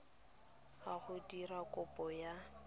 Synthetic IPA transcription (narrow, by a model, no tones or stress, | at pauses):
aɣʊdirakʼʊpʼɔja